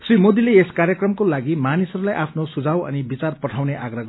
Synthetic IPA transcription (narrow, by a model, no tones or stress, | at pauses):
srimod̪ileeskarjʌkrʌmkolaɡimanisʌɾulajʔapʰnosud͡zʱawʌ̰nibit͡sarpʌʈʰawneʔaɡrʌɡ